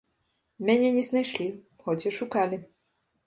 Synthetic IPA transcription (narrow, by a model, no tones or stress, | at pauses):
mʲɛnʲɛnʲɛznajʃlʲi | xɔtʲɛʃukalʲi